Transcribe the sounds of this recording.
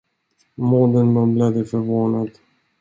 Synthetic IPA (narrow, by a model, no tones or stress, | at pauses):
moːd̪ənmanbled̪əfœɾvoːnad̪